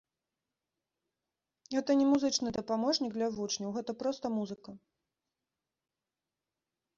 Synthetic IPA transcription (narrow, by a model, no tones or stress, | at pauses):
ɣɛt̪ɐnʲɛmuzɨt͡ʂnɨd̪ɐpamɔʐnʲiɡ̚d̪lʲɐvut͡ʂnʲɐwɣɛt̪ɐpɾɔst̪ɐmuzɨkɐ